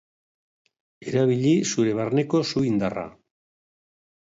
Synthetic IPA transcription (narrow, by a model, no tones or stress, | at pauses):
e̞ɾaβiʎisuɾe̞βarne̞ko̞suind̪ara̰